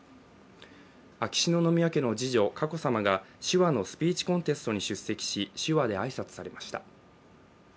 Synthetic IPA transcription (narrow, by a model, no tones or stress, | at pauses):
akʲi̥ɕino̞no̞mʲiake̞no̞d͡ʑiʑo̞kako̞samaɡa | ɕiβano̞sɨ̥pʲiːt͡ɕi̥kõ̞nt̪e̞sɨ̥t̪o̞ɲ̟iɕɨsːe̞kʲi̥ɕiɕɨβad̪e̞aisat͡sɨ̥saɾe̞maɕi̥t̪a̰